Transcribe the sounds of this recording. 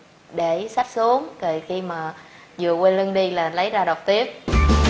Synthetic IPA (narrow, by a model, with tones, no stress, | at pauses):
ɗe˧˩sa˦˥k̚su˨˦əŋkə˨˩xi˧maː˨˩ | zɨ˨˩əkwe˧nlɨ˧nɗi˧laː˨˩lə˨˦jzaː˧ɗə˨˩wk͡p̚t̪i˦˥əp̚